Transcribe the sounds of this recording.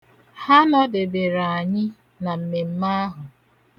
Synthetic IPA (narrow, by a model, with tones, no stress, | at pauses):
ha˦nɔ˦dɪ˨bɪ˨ɾa˨a˨ɲɪ˦ | na˨m̩˨me˨m̩˦ma˦a˦ɦʊ˨